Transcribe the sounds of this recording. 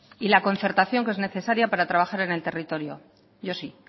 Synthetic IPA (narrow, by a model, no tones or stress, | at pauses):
ilako̞nθe̞ɾt̪aθjo̞ŋkee̞zne̞θe̞saɾjapaɾat̪ɾaβ̞axaɾe̞ne̞lt̪e̞rit̪o̞ɾjo̞̰ | ɟ͡ʝo̞si